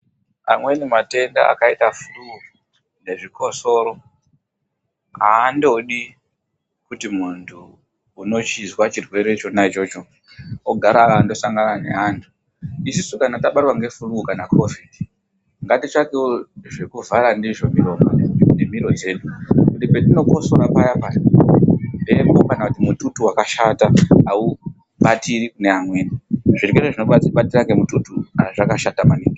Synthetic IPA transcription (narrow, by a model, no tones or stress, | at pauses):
a̰mwe̞nemate̞nda̰a̰kaitafuru | ne̞ʐikʰo̞so̞ɾo̞ | aːndo̞ɗi | kutimuntʰuː | no̞t͡ʃizwat͡ʃirwe̞ɾe̞t͡ʃo̞nait͡ʃo̞t͡ʃo̞ | oɡʱaɾaando̞saŋɡanane̞̰antʰu̥ | isisukanataɓarwaŋɡe̞furuukanakʰo̞vidi | ŋɡatit͡ʃakeoʐekuvaɾandiʐomiromanem̤iɾo̞d͡ze̞ːɗukutipetino̞ko̞soɾapajapaja | nde̞mokanakutimututuwakaʃataau | ɓatiɾikune̞amweːniʐirkereʐino̞ɓat͡siɓatiɾakemututuaʐakaʃatamaniːki